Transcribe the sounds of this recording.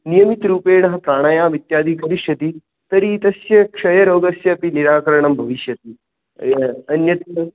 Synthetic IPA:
nijɐmit̪ɾuːpeːɳɐɦɐpɾaːɳ̃ɐjaːʋit̪jaːd̪ʱiːkɐɾiʂjɐt̪iː | t̪ɐɾiːt̪ɐsjɐkʂɐjɐɾoːɡɐsjɐːpiniɾaːkɐɾɐɳɐmbʱɐʋiʃjɐt̪iː | ɐnjɐt̪

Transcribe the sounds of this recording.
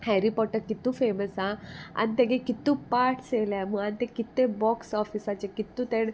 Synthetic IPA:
hɛɾipɔʈːəɾkit̪ːũfeməsaa̰nit̪ẽɡekit̪ːũpaɾʈselaməant̪ẽkit̪ːebɔksɔfisat͡ɕekit̪ːũt̪eɳ

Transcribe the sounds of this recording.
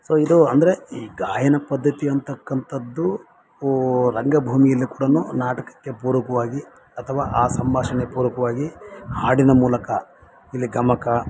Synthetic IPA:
soːid̪uɐnd̪ɐɾeiːɡaːjɐnɐpɐd̪ːɐt̪iɐnt̪ɐkːɐnt̪ʰɐd̪ːu | ɾɐŋɡɐbʱuːmijɐlːikuːɽɐnunaːʈɐkɐ̥kːe̞puːɾɐkɐʋaːɡi | ɐt̪ʰɐʋaːʔaːsɐmbaːʂɐnepuːɾɐkɐʋaːɡihaːɽinɐmuːlɐkɐ | ilːiɡɐmɐkɐ

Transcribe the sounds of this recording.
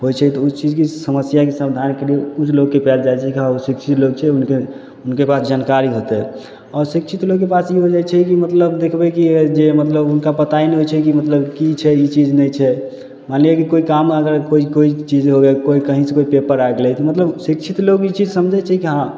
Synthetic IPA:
ɦojt͡ʃʰɛt̪ɔut͡ʃid͡ʒkisəməsjakesəbd̪ʱankeliekut͡ʃʰloɡːepald͡ʒajt͡ʃʰɛkiɦãusikt͡ʃʰit̪loɡ̚t͡ʃʰɛunke | unkepasd͡ʒankaɾiɦot̪ɛ | ɔɾsikt͡ʃʰit̪loɡkːepasiɦod͡ʒajt͡ʃʰɛkimət̪ləbd̪ekʰbɛkid͡ʒemət̪ləbunkapət̪ainiɦot͡ʃʰɛkimət̪ləbkit͡ʃʰɛit͡ʃid͡ʒnɛjt͡ʃʰɛ | manliekikoikaməɡəɾkoikoit͡ʃid͡ʒɦoɡɛkoikəɦĩsẽkoipepəɾaɡlɛt̪ɔmət̪ləbsikt͡ʃʰit̪lokit͡ʃid͡ʒsəmd͡ʒʱɛt͡ʃʰɛkiɦã

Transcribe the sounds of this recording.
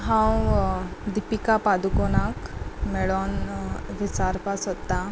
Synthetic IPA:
ɦãw | d̪ipikapad̪ukonakmɛɭɔnʋit͡saɾpasɦot̪ːa

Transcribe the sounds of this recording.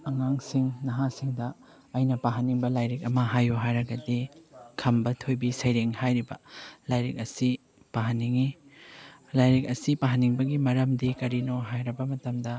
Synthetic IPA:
ɐŋaŋsiŋnɐɦasiŋdɐː | jnɐpaɦɐniŋbɐlajɾik̚ɐmɐɦajoɦajɾɐɡɐdikʰɐmbɐtʰojbisɐjɾeŋhajɾibɐ̰lajɾik̚ɐsi | paɦɐnːiŋi | lajɾik̚ɐsipaɦɐniŋbɐɡimɐɾɐmdikɐɾinoɦajɾɐbɐmɐtɐmdɐ

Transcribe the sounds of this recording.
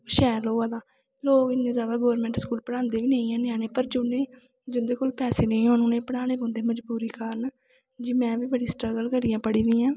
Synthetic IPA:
ʃɛːɾloːaːd̪aː | loːkɪnːẽːzjaːd̪aːɡoːɾmɛ̃ːɳʈskuːlpəɽaːnd̪eːʋiːnəĩːɛ̃ːnɪaːneːpəɾd͡ʒʊneː | d͡ʒʊnd̪eːkolpɛːseːnəĩːɦõːnʊnẽːpəɽaːɽeːbõːnd̪eːməd͡ʒbuːɾiːkaːɾən | d͡ʒiːmɛ̃ːʋiːbəɽiːsʈɾəɡəlkəɾijãːpəɽiːd̪ĩːãː

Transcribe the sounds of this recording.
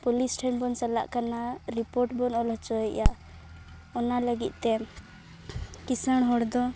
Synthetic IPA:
pɔlisʈʰanbɔnsala̰ʔkanaɾipɔɾʈbɔnɔlɦɔt͡ʃɔɛjaʔ | ɔnaləɡḭt̪̚ˀt̪ɛ | kisəɽ̃ɦɔɽd̪ɔ

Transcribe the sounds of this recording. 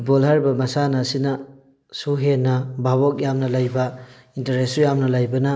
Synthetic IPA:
bɔlhaɾbɐmɐsanasinɐ | suɦenːɐbabɔk̚jamnɐlajbɐ | intɐɾesujamnɐlajbɐnɐ

